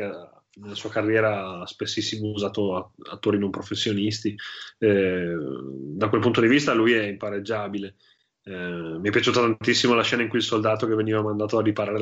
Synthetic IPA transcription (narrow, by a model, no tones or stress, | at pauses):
nelasuːakarːjɛːɾaspesːisːimouzaːt̪oaa̰t̪ːoːɾinõmpɾofesːjonist̪i | d̪akwelpunt̪od̪ivist̪alujɛimpaɾed͡ʒːaːbile | miapːjat͡ʃuːt̪at̪ant̪isːimolaʃːɛːnaiŋkuilsold̪aːt̪okevːeniːvamand̪aːt̪oadipaɾaːɾe